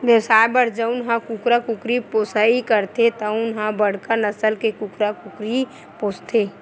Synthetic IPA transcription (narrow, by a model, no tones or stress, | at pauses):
ʋjəwsaːjbəɾd͡ʒəʊnɦãkukɾakukɾiposaikəɾt̪et̪əʊnɦãbəɽ̤kənəsəlkekukɾakukɾi | poːst̪ʰe